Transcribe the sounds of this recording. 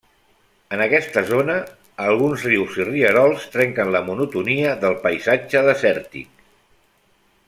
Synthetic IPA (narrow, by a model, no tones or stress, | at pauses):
ənəkɛst̪əzonəː | lˠɣunzriwziriəɾɔlˠst̪ɾɛŋkənləmunut̪uniəðəlˠpəjzad͡ʒəðəsɛɾt̪ḭk